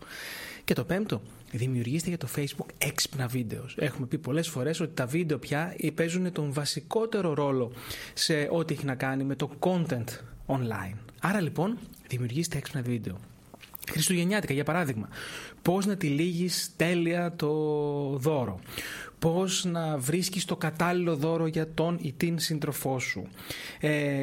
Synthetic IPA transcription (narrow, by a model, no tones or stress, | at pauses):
ce̞t̪o̞pe̞mt̪o̞ | ðimiuɾʝist̪eʝɐt̪ofe̞jzbukekspnɐvid̪e̞ose̞xume̞pipo̞le̞sfo̞ɾe̞so̞t̪i̥t̪ɐvid̪e̞o̞pçɐpe̞zune̞t̪o̞ɱvɐsiko̞t̪e̞ɾo̞ɾo̞lo̞se̞ʔo̞t̪ie̞çinɐkɐnime̞t̪o̞ko̞nt̪e̞nt̪onlɐ̰inɐɾɐlipo̞nðimiuɾʝist̪eekspnɐvid̪e̞o̞ | xɾist̪oʝe̞ɲɐt̪ikɐʝɐpɐɾɐðiɣmɐpo̞znɐt̪iliʝist̪e̞liɐt̪o̞ðo̞ɾo̞̰po̞znɐvɾiscist̪o̞kɐt̪ɐlilo̞ðo̞ɾo̞ʝɐt̪o̞nit̪insind̪ɾo̞fo̞sṵ